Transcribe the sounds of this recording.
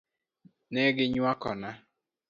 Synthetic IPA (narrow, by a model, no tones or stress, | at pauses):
nɛɡɪɲwakɔna